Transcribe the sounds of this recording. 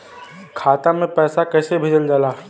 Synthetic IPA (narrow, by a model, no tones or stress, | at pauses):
kʰaːt̪amẽpɛːsakɛːsebʱɪd͡ʒəld͡ʒaːlaː